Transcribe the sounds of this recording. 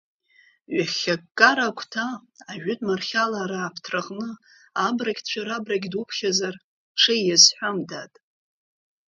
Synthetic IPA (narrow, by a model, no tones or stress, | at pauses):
ɥaχʲakːʼaɾakʷʰtʰaːʒᶣʏtʼmarχʲalaːɾaːpʰtʰraʁʼnɨ | abraɡʲt͡ɕʷʰaɾabraɡʲdupʰχʲazar | ʈ͡ʂʰajjazħʷᶣamdatʼ